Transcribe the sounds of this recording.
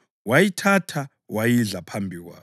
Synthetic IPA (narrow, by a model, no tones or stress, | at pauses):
wajitʰatʰa | wajiɮapʰambʱiɣwa̰ː